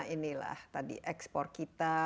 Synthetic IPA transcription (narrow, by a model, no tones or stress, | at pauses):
inila̰ht̪adḭʔɛkspɔrt̪̚kit̪a